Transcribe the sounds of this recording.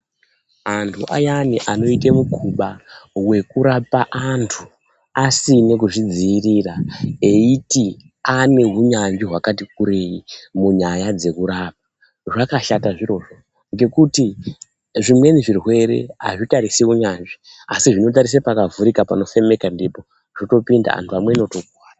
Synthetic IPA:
antʰuʔa̰janiʔano̞itemukʰuɓawe̞kuɾapaʔantʰu | asinekuʐid͡ziːrirae̞iti | ane̞ɦuɲaɲd͡ʒiɦwakatik̚uɾe̞jimuɲajad͡ze̞kuɾap̚ḁ | ʐakaʃataʐiɾo̞ːʐo̞ | ŋɡe̞kuti | ʐimwe̞niʐirwe̞ɾe̞̰a̰ʐitaɾisiuɲanʐi | asiʐino̞t̬aɾis̬epakavuɾikapano̞fe̞me̞kandipo̞ | ʐ̥oto̞pinda̰a̰ntʰuamwe̞ino̞tokwaːa

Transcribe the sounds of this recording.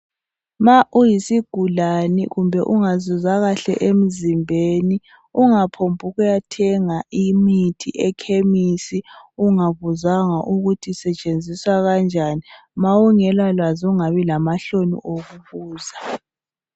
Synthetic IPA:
maʔujisiɡ̥ʱulanḭɣumbʱɛ̰ʔuŋazuzaɣaɬɛ̰ʔem̩zimbʱeni | uŋapʰombʱuɣujatʰɛŋaʔimitʰḭʔɛkʰemisiuŋaβuzaŋaʔuɣutʰisɛt͡ʃʼend͡zʱiswaɣand͡ʒʱani | mawuŋɛlwalwazuŋaβilamaɬonḭʔoɣuβuːza

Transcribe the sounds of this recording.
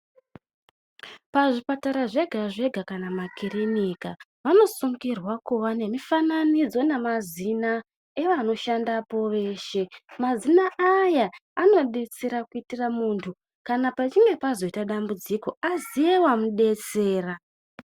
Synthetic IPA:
paʐipataɾaʐe̞ɡʱaʐe̞ɡʱakanamakirinikaʋano̞suŋɡirwakuʋane̞mifananid͡zo̞nemazina | e̞ʋano̞ʃandapo̞ʋe̞ːʃe̞mazinaʔajaːno̞ɗe̞t͡se̞ɾakuitiramuːntʰu | kanapat͡ʃiŋɡe̞pazo̞itaɗambud͡ziko̞azije̞wamuɗe̞t͡se̞ːra

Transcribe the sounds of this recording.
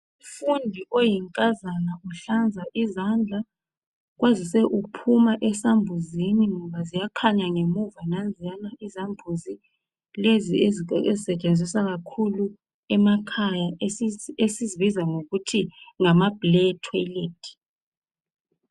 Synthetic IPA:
ufundʱiʔojiŋkʼazanauɬand͡zʱaʔizand͡ɮʱa | ɣ̬wazisɛʔupʰumaʔɛsambʱuziniŋɔβazijakʰaɲaŋemuvanand͡zʱijanaʔizambʱuzi | leziezezisɛt͡ʃʼend͡zʱisaɣ̬akʰulu | ɛmakʰajaeesizivizaŋoɣutʰiŋamab̥ʱlɛtʰaleːtʰʼi̥

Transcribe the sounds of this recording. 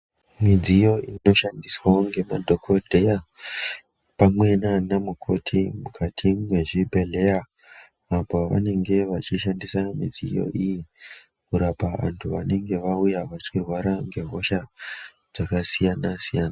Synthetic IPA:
mid͡zijo̞ino̞ʃandiswaŋɡe̞madʱo̞kʰo̞dʱe̞ja | pamwe̞nanamukʰo̞tʰimukʰatʰimweʐibʱe̞le̞ja | apoʋa̰ne̞ŋɡe̞ʋat͡ʃiʃandisamid͡zijo̞̰ʔiji | kuɾapaʋa̰ntʰuʋa̰ne̞ŋɡe̞ʋaujaʋat͡ʃirwaɾaŋɡe̞ɦo̞ʃad͡zakasijanasijaːna

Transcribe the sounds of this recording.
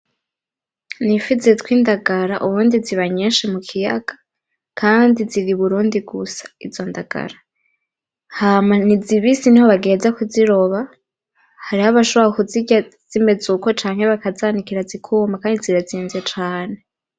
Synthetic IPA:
nifizetwiːndaɡaɾaʔuβuːndiziβaɲeːnʃemukʰija̰ɡ̥ḁ | kʰaːndiziɾiβuɾuːndiɡusḁizo̞ndaɡ̥a̰ɾa | hamaniziβisinihoβaɡe̞zakuziɾo̞βa | haɾihaβaʃoβakuziɟaz̥ime̞d͡zuko̞t͡ʃaːŋhe̞βakazaːnikiɾazikʰuːmbakaːndiziɾaziːnze̞t͡ʃaːne̞

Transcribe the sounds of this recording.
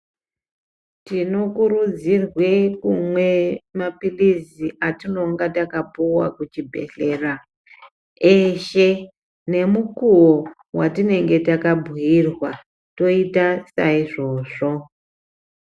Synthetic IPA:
tino̞kuɾud͡zirwekumwe̞mapiliziʔatino̞ŋɡatakapuwa̰kut͡ʃibʱe̞̰ɬe̞ːra | eʃe | ne̞mukuwo | watine̞ŋɡe̞takabʱuirwa | to̞itasaiʐo̞ːʐo̞

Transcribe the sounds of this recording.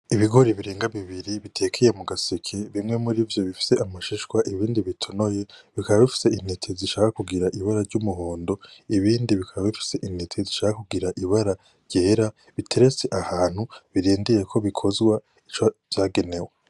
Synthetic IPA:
iβiɡo̞ɾiβiɾeːŋɡaβiβiɾiβitʰe̞ːkʰeje̞muɡasekʰeβimŋe̞muɾivjo̞βifi̥se̞ʔamaʃiʃwaʔiβiːndiβitʰo̞no̞je̞βikaβaβifi̥se̞in̥etʰeziʃaːkakuɡiɾaʔiβaɾaɾɟumuɦoːndo̞iβiːndiβikʰaβaβifi̥se̞ʔin̥etʰeziʃaːkakuɡiɾaʔiβaɾa | ɾɟ̥eːɾa | βitʰe̞ɾe̞t͡se̞ʔahaːn̥huβiɾiːndije̞kʰo̞βikʰo̞zɡwa | it͡ʃav̥jaːɡe̞ne̞we

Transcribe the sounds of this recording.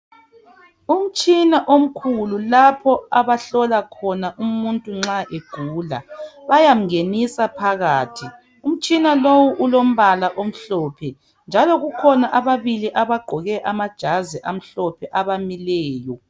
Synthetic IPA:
um̩t͡ʃʼinaʔom̩kʰululapʰɔaβaɬɔlakʰɔnaʔumuntʼuŋ͡ǁaʔeɡ̥ʱuːla̰βajam̩ŋenisapʰaɣaːtʰi | um̩t͡ʃʼinalowuʔulom̩βalaʔom̩ɬɔːpʰɛ | nd͡ʒʱalɔɣukʰɔnaʔaβaβiliʔaβaɡ͡ǃʱɔɣɛʔamad̥ʒ̥ʱazɛʔam̩ɬɔpʰɛʔaβamilɛːjɔ

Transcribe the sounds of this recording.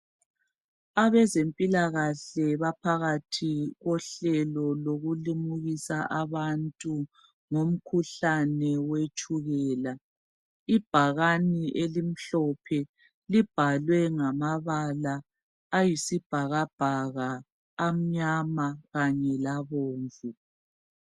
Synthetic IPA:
aβɛzempʼilaɣaɬɛβapʰaɣatʰiɣɔɬɛlɔloɣulimuɣisaʔaβantʼu | ŋom̩kʰuɬanɛwet͡ʃʼuɣɛːla | ib̥ʱaɣaniʔelim̩ɬɔpʰɛ | lib̥ʱalwɛŋamaβalaː | jisib̥ʱaɣab̥ʱaɣaː | m̩ɲamaɣaɲɛlaβoːɱvu

